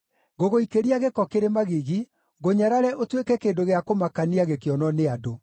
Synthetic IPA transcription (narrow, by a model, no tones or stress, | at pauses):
ɣoɣoikeɾiaɣekɔkeɾemaɣiɣi | ɣoɲaɾaɾɛʔotwekɛkeːndoɣeakomakaniaɣekeɔnɔneado